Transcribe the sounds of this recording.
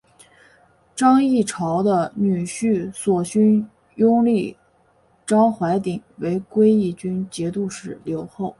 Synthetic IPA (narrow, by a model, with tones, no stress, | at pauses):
ʈ͡ʂɑ˥ŋi˥˩ʈ͡ʂʰɑ˧˥ʊd̪ə˧ny˨˩ɕy˥˩swɔ˨˩ɕy˥n | jʊ˥ŋli˥˩ | ʈ͡ʂɑ˥ʊxwa˧˥ɪt̪̬i˨˩˦ŋwe˧˥ɪkwe˥ɪi˥˩t͡ɕy˥nt͡ɕjɛ˧˥t̪u˥˧ʂɻ̩˥˩ljo˧˥ʊxo˥˩ʊ